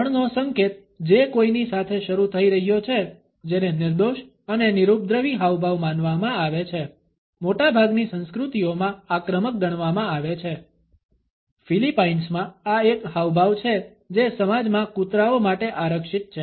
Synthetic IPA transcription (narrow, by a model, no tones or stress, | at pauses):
əɳnõsəŋket̪ | d͡ʒekoinisat̪ʰeʃəɾut̪ʰəiɾəɦijot͡ʃʰe | d͡ʒenenɪɾd̪oʃ | ənenɪɾup̚d̪ɾəʋiɦaʋbʱaʋmanʋamãaʋet͡ʃʰe | moʈabʱaɡnisə̃nskɾut̪iomãakɾəmək̚ɡəɽ̃ʋamãaʋet͡ʃʰe | filipainsmãaekɦaʋbʱaʋt͡ʃʰe | d͡ʒesəmad͡ʒmãkut̪ɾaomaʈeʔaɾəkʃit̪̚t͡ʃʰe